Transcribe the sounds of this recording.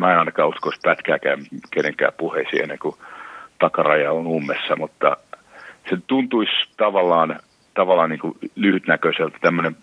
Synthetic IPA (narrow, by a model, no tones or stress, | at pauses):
mæenɑinɑkɑːuskoispæt̪kæ̰ːkæymkeneŋkæ̰ːpuheisḭːḛnːeŋkut̪ɑkɑrɑjɑonumːesːɑmut̪ːɑ̰ | set̪unt̪uist̪ɑʋɑlːɑːn | t̪ɑʋɑlːˑɑːnniːŋkulyhyt̪nækøiselt̪æt̪æmːønem